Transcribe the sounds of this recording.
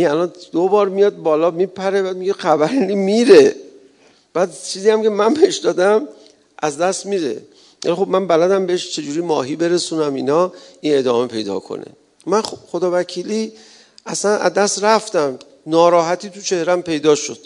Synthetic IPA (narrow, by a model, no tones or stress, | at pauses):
ʔinælɒnd̪̥obɒːɾmijɒːd̪̚bɒːlɒːmipʰæɾe̞bæːd̪̚miɡexæbæɾinimiɾe̞ | b̥æːd̪̚t͡ʃʰiːziːjæmcʰe̞mænbeheʃd̪ɒːd̪æm | ʔæzd̪æst̪miɾe̞̰ | æ̰lixo̞b̚mænbælæd̪æmbe̞heʃt͡ʃʰe̞d͡ʒuːɾimɒːɦiːbe̞ɾe̞suːnæminɒːʔine̞d̪ɒːme̞pʰe̞jd̪ɒ̰kʰo̞̰nḛ | mænχod̪ɒːvæcʰiːli | ʔæsænæ̰zd̪æst̪ɾæft̪æm | nɒːɾɒːɦæt̪ʰiːt̪ʰut͡ʃʰe̞hɾæmpe̞jd̪ɒːʃo̞d̪̥